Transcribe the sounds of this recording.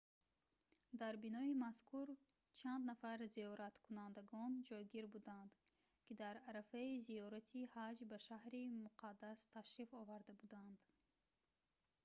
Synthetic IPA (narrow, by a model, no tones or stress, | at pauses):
d̪aɾbinɔimaskʰuɾ | t͡ʃʰand̪nafaɾziɔɾat̪kʰunand̪aɡɔnd͡ʒɔjɡiɾbud̪and̪ | kid̪aɾaɾafaizijɔɾat̪ʰihad͡ʒbaʃahɾimuqʰad̪ːast̪ʰaʃɾifɔvaɾd̪abud̪and̪